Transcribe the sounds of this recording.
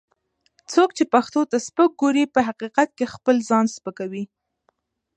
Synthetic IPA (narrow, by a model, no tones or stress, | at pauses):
t͡sokt͡ʃepaxt̪ot̪aspək̚ɡoɾipəɦaqiqat̪̚kexpəlzɑnspəkawi